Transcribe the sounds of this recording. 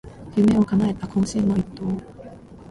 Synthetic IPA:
jɯme̞o̞kanaet̪akõɰ̃seːnoit̪ːoː

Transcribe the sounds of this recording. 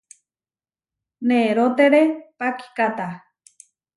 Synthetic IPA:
neːɾot̪eɾepaki̥kat̪a

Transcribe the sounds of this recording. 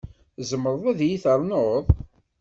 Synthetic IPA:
zəmːəɾˤðˤæðjiθəɾˤnoðˤ

